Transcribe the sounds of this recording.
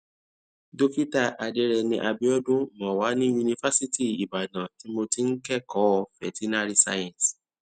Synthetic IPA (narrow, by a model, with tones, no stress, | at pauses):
do˦ki˦ta˦˨ʔa˨de˨˦ɾɛ˧˨nĩ˧ʔa˧bi˦ɔ˦dũ˦˨mã˨wa˨˦nĩ˦ju˧nĩ˧fa˦si˦ti˦˨i˨ba˨nã˨ti˨˦mo˧ti˨˦n̩˦kɛ˦˨kɔ˨˦˧fɛ̰˨ti˦na˦ɾi˦sa̰˧jɛ̃˨s